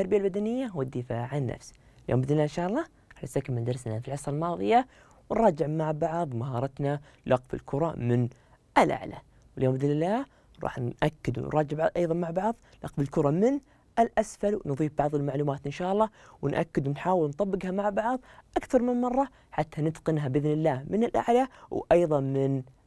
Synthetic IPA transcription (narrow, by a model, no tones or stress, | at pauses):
ɑɾˤbɪjalbad̪anɪjːawɪd̪ːɪfaːʕanːa̰fs | ljo̰ːmbɪd̪nɪlːaːɪnʃaːʔɑlˤːɑː | ɾˤɑːħnasakːamːɪnd̪ɑɾˤsnafilʕɑsɾˤɑlmɑːðˤɨ̰ja | wnɾˤɑːd͡ʒɪʕmaʕbɑʕðˤmaɦɑːɾˤɑt̪na | lʔɑqfɪ̰lkʰʊɾˤɑ̰mɪn | ʔɪlʔa̰ʕla̰ | wɪljoːmbɪd̪lɪlːaː | ɾˤɑ̰ːħnʔakːɪd̪w̰nɾˤɑːd͡ʒɪʕʔɑjðˤɑnmaʕbɑʕðˤ | lɑ̰qfɪlkʊɾˤɑmɪn | ʔɪlʔasfalwnðˤiːfbɑʕðˤɪlmaʕluːmaːt̪ʔɪnʃaːʔɑlˤːɑːwnʔa̰kːɪd̪wɪnħaːwɪlnt̪ˤɑbːɪɡhamaʕbɑʕðˤʔakθɑɾˤmɪmmɑrˤːɑ | ħat̪ʰːanɪt̪qɪnɦabʔɪðnɪlːaːmɪnɪlʔa̰ʕlawʔɑjðˤɑmɪn